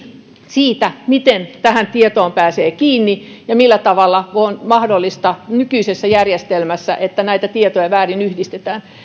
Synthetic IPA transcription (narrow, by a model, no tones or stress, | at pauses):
siːt̪æmit̪ent̪æhænt̪iet̪oːmpæːseːkiːnːijɑmilːæt̪ɑʋɑlːɑonmɑhdolːist̪ɑnykyisesːæjærjest̪elmæsːæ̰ʔet̪ːænæit̪æt̪iet̪ojɑʋæːrinyhdist̪et̪æːn